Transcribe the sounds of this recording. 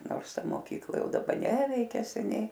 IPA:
ˈnoːrs ˈtɐ moːˈkʲiːklˠɐ ˈjɛʊ dɐˈbɐ ˈnʲæːʋʲɛɪkʲɛ sʲɛˈnʲɛɪ

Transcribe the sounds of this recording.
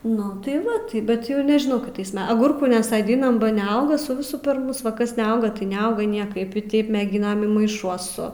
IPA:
nʊ ˈtɐɪ ˈʋɐ ˈtɐɪ bʲɛt ˈjɛʊ nʲɛʒʲɪˈnɐʊ kʲɪˈtɐɪs ˈmʲɛ ɐˈɡʊrkuː nʲɛsɐdʲɪnɐm bɐ nʲɛɐʊɡɐ sʊ ˈʋʲɪsʊ pʲɛr ˈmʊs ˈʋɐ ˈkɐs nʲɛˈɐʊɡɐ tɐɪ nʲɛˈɐʊɡɐ ˈnʲiɛkɐɪp ɪ tɐɪp mʲɛˈɡʲɪnɐm ɪ mɐɪˈʃuɔsʊ

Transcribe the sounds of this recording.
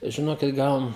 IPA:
ʒʲɪˈnoːkʲɪt ˈɡɐlˠ

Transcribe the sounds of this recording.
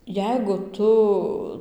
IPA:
ˈjɛɪɡʊ ˈtʊ

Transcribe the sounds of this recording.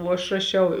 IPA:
oː ɐʃ rɐˈʃʲɛʊ

